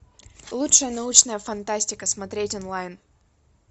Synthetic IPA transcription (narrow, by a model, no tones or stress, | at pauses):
lˠutʂəjənɐut͡ɕnəjəfɐnt̪asʲtʲɪkəsmɐt̪ɾʲetʲonlˠajn